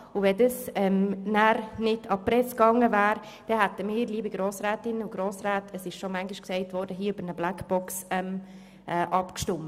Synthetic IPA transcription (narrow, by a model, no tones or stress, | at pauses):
uvɛdəsɛmnæɾnɪdʰɑpɾɛskɑŋːəvæːɾ | d̥ɛhætəmiːɾliːbiɡɾoːsɾɛːtɪnʊɡ̥ɾoːsɾæːtʰəsɪʃʃomæŋɡɪʃksɛɪtvɔɾdəɦiːəybəɾnəblækb̥ɔksɛm | ʔɛːʔɑpkʃtʊm